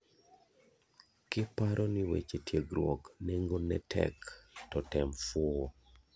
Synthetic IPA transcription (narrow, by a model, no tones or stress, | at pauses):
kɪpaɾʔonɪwḛt͡ʃetjeɡɾwɔkneŋɡonɛtʰɛ̰ktɔtɛmfɔ